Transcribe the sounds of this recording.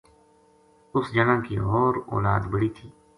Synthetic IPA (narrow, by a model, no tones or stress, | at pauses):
ʊsd͡ʒənãːkiɔːɾɔ̰ːlaːd̪bəɽiːt̪ʰiː